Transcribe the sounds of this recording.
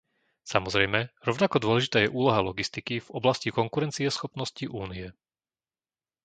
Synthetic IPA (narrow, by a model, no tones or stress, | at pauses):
samɔzɾɛjmɛɾɔʊnakɔd̪ʊɔlɛʒit̪aːjɛʔuːlɔɦalɔɡist̪ikiv̥ɔblascikɔŋkuɾɛnt͡siɛsxɔpnɔsciʔuːniɛ